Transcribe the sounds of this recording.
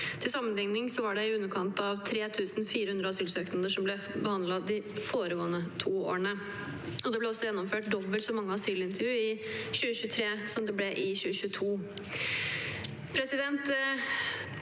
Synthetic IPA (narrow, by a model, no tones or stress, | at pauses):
t̪ʰɪlsɑmːənlɪŋnɪŋsɔʋɑɖɛɪʉnːəɾkʰɑnt̪ɑʋt̪ʰɾeːt̪ʰʉːsn̩fiːɾəhʉnɾəɑsyːlsøːknəd̪əʂɔmblɛ | bəhɑnd̪lɑd̪ɪfoːɾəɡoːənət̪ʰuːo̰ːɳə | ɔd̪ɛblɛɔsːɔjɛnːɔmføːʈd̪ɔbəlsɔmːɑŋːəɑsyːlɪnt̪əɾjʉːɪ | ɕʉːəɕʉːət̪ʰɾeːsɔmd̪ɛblɛʔɪɕʉːəɕʉːət̪ʰuː | pʰɾɛsɪd̪ɛnt̪